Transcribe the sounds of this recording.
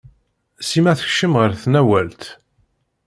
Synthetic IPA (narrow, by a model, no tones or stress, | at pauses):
simæθə̥çʃəmʁəɾθnæwælt̪